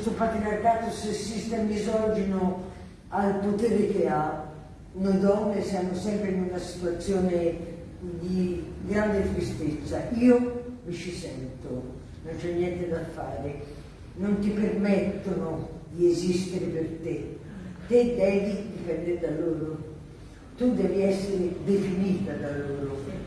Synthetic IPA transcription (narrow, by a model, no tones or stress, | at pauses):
st̪upat̪ɾinarɡaːt̪osesːist̪amizɔd͡ʒino | alpot̪eːɾek̟ea | nod̪ɔnːesjamʊsɛmpɾeinunasi̥t̪uat̪sːjoːne | d̪iɡɾand̪eat̪ɾist̪et̪sːaiːomit͡ʃisɛ̰nt̪ʊ | nont͡ʃɛnːjɛnt̪ed̪afːa̰ːɾe | nont̪ipermɛt̪ːonʊd̪iezist̪eɾepert̪et̪ed̪ɛːvid̪ipɛnd̪eɾd̪alːoːɾo | t̪ud̪ɛːviɛsːeɾed̪efiniːt̪ad̪alːoːɾo